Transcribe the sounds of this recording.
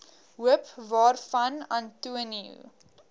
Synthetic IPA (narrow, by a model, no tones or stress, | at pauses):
ɦuəpvɑːrfɐnɑːntuəniṵ